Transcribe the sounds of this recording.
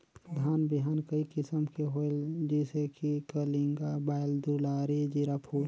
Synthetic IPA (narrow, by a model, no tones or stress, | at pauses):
d̪ʱaːnbiɦaːnkəikɪsəmkeɦold͡ʒɛːsekikəliŋɡabaːɪld̪ulaːɾid͡ʒiɾapʰuː